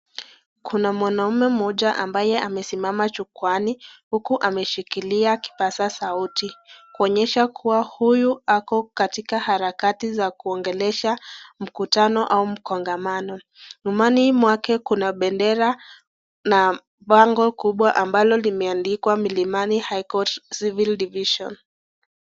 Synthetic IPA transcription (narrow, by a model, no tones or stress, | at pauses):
kunamwanaumɛm̩ɔʄaʔambajɛʔamɛsimamat͡ʃukwanihukuʔamɛʃikiliaki̥pasasautikuɔɲɛʃakʰuwahujuakɔkatikahaɾakatizakuɔŋɡɛlɛʃam̩kutanɔʔaum̩kɔŋɡamanɔ | numanimwakɛkunaɓɛndɛɾa | na | ɓaŋɡɔkuɓwaʔambalɔlimɛandikwamilimanihajkɔtsivildiviʃɔ̰n